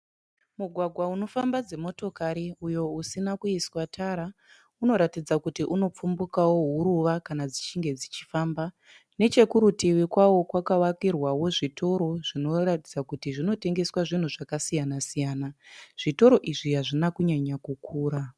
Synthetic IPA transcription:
muɡʱwaɡʱwauno̞fambad͡ze̞mo̞to̞kaɾiujo̞usinakuiswatʰaɾa | uno̞ɾatid͡zakutiʔuno̞p͡fumbukawo̞ɦuɾuʋakanad͡zit͡ʃiŋɡe̞d͡zit͡ʃifaːmba | ne̞t͡ʃe̞kuɾutiwikwawo̞kwakawakirwawo̞ʐitʰo̞ɾo̞ʐ̥ino̞ratid͡zakutiʐino̞te̞ŋɡe̞swaʐin̤uʐakasijanasijaːnaʐ̥ito̞ɾo̞ʔiʐiɦaʐinakuɲaɲakukʰuːɾa

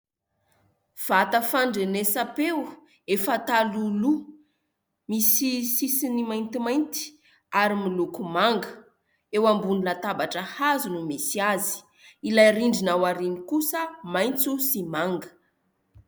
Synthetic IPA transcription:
v̥at̪əfaɳɖ͡ʐenesapew | efat̪alulu | misisisinimajnt̪imajnt̪i̥ | aɾimilukumaŋɡə | ewambunilat̪abaʈ͡ʂəhazunumesiazi̥ | ilajriɳɖ͡ʐinawaɾinikusəmajnt͡susimaŋɡə̥

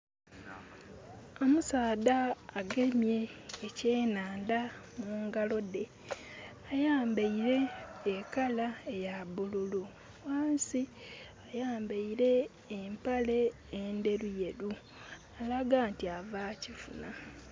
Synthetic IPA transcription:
o̞musaːdaːɡe̞mje̞ːceːnaːndamuːŋɡalo̞de̞ | ajaːmbaiɾe̞ːkalae̞jabululu | waːnsi | ajaːmbeiɾe̞ː | mpale̞ː | nde̞ɾuje̞ɾu | alaɡantiavaːcifuna

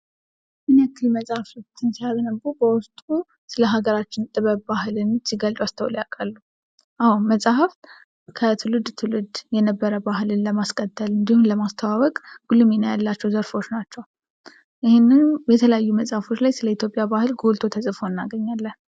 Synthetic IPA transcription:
ʔɨnakʰːɨlməsʼahaft̪ʰɨnsijaβnəbubəwʊst̪ʼu | sɨləɦaɡəɾat͡ʃːɪnt̪ʼɨβəβbaɦɨlɨnsiɡəlt̪ʼwast̪ʰəwljakʼəlːu | ʔawməsʼahaf | kʰət̪ʰɨlɨd̪t̪ʰɨlɨd̪jɛnəbːəɾəbaɦɨlɨnləmaskʼət̪ʰːəlɨnd̪ihunləmast̪ʰəwaβəkʼɡ̥ulɨmenəjalːat͡ʃːɛwzəɾfo̞t͡ʃnat͡ʃːɛw | ʔɪhɪnːɨnbɛt̪ʰələjajːuməsʼahfo̞t͡ʃːlajsɨləit̪ʰjo̞pʼjabahɨlɡolt̪ʰo̞t̪ʰəsʼɨfo̞ɨnːaɡəɲːalːən

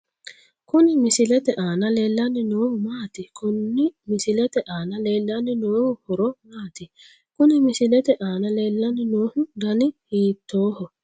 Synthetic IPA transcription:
kʊnɪmɪsɪlɛt̪ɛʔaːnɐle̞ːlːɐnɪnoːhʊmaːt̪ɪkʊnːɪmɪsɪlɛt̪ɛʔaːnɐle̞ːlːɐnɪnoːhʊhɔɾɔmaːt̪ɪ | kʊnɪmɪsɪlɛt̪ɛʔaːnɐle̞ːlːɐnɪnoːhʊd̪ɐnɪhiːt̪ːo̞ːhɔ

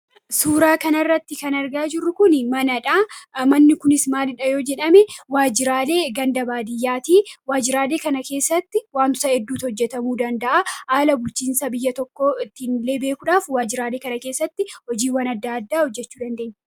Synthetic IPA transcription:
suːɾaːkɐnɐrːɐt̪ːɪkɐnɐɾɡaːd͡ʒɪrːʊkʊnɪmɐnɐᶑaːmɐnːɪkʊnɪsmaːlɪᶑɐjo̞ːd͡ʒɛᶑɐmɛwaːd͡ʒɪɾaːle̞ːɡɐnd̪ɐbaːd̪ɪjːaːt̪iːwaːd͡ʒɪɾaːleːkɐnɐke̞ːsːɐt̪ːɪwaːnt̪ʊ̥sɐɛd̪ːuːt̪hɔd͡ʒːɛt̪ɐmuːd̪ɐnd̪ɐʔahaːlɐbʊlt͡ʃiːnsɐbɪjːɐt̪ɔkːoːɪt̪ːɪnle̞ːbe̞ːkʊᶑaːfwaːd͡ʒɪɾaːle̞ːkɐnɐke̞ːsːɐt̪ːɪhɔd͡ʒiːwanɐd̪ːaːɐd̪ːaːhɔd͡ʒːɛt͡ʃːuːd̪ɐnd̪e̞ːɲː

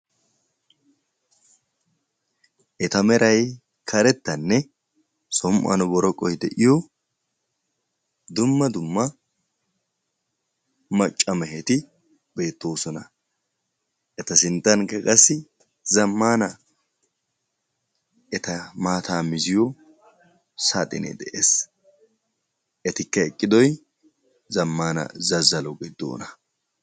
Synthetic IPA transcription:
ʔɛt̪ɐmɛɾʔɐj | kʰɐɾɛt̪ːɐnːɛ | sɔmʔɐ̰nʊbɔɾɔkʼːɔjd̪ɛʔɪjɔ | d̪ʊmːɐd̪ʊmːɐ | mɐt͡ʃʼːɐmɛɦɛt̪ɪ | be̞ːt̪ːo̞ːsɔnɐ | ʔɛt̪ɐsɪnt̪ʼːɐnkːɐkʼɐsːɪ | zɐmːaːnɐ | ɛt̪ɐmaːt̪ʰaːmɪzɪjɔ | sat̪ʼɪnɛ̰d̪ɛʔḛːs | ʔɛt̪ɪkːɐɛkʼːɪd̪ɔj | zɐmːaːnɐ̰zɐzːɐlɔɡɪd̪ːo̰ːnɐ

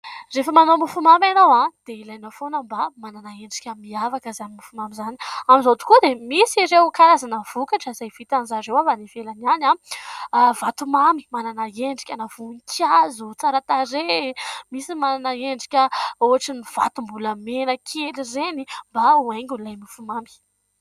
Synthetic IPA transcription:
refəmanomifumamanowãd̪̥eilajnafonəmbamananaeɳɖ͡ʐi̥kʲəmiavakəzanimufumamizani̥amizot̪u̥kud̪emisiɾewkaɾazanəvukaʈ͡ʂəizajv̥it̪anzaɾewavanivelaniana | vat̪umami̥mananaeɳɖ͡ʐi̥kʲənav̥unikʰʲazut͡saɾat̪aɾemisimananaeɳɖ͡ʐi̥kʲəoɦaʈ͡ʂiniv̥a̰t̪umbuləmenəkʰelizenimbaueŋɡʲulajmifumambi̥

